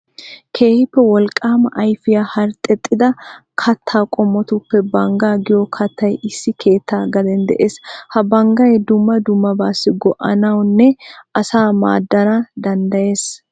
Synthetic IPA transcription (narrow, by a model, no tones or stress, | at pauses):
kʰe̞ːhɪpːɛwɔlkʼaːmɐʔɐjfɪjahɐɾt̪ʼːɛt̪ʼːɪd̪ɐkʰɐt̪ʰːaːkʼɔmːɔt̪ʊpːɛbɐŋɡaːɡɪjɔkʰɐt̪ːɐjʔɪsːɪkʰe̞ːt̪ːaːɡɐd̪ɛnd̪ɛ̰ʔeːshɐbɐŋɡɐjd̪ʊmːɐd̪ʊmːɐbaːsːɪɡɔʔɐnɐwnːɛɐsaːma̰ːd̪ːɐnad̪ɐnd̪ɐje̞ːs